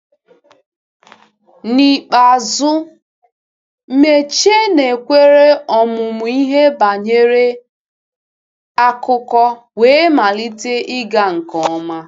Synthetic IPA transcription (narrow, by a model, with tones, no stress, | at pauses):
ni˨k͡pa˨zʊ˦ | me˦t͡ʃe˦ne˨kʷe˦ɾe˦ɔ˨mʊ˨mʊ˨i˦ɦe˦ba˨ɲe˦ɾe˦ | a˦kʊ˦kɔ˦ | weː˨˦ma˨li˦te˦ʔɪ˦ɡa˦ŋ̩˨kɔ˨˦ma˦